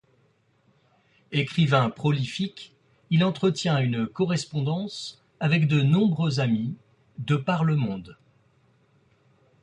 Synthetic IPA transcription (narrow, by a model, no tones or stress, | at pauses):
ekχivɛ̃pχɔlifik | ilɑ̃t̪χət̪jɛ̃ynkɔʁɛspɔ̃d̪ɑ̃s | avɛkd̪ənɔ̃bʁøzami | d̪əpaʁləmɔ̃d̪